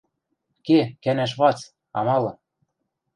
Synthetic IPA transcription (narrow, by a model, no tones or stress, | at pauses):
kekænæʃ̬βɑt͡s | ɑ̰mɑlɤ̆